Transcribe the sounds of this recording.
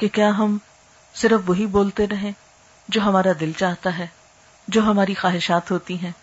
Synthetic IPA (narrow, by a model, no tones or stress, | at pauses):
kekjaːɦɐm | sɪɾəfʋɐɦiboːlt̪eɾɐɦẽ | d͡ʒoːɦɐmaːɾad̪ɪlt͡ʃaːɦt̪aɦɛː | d͡ʒoːɦɐmaːɾixaːɦɪʃaːt̪ɦoːt̪iɦɛ̃ː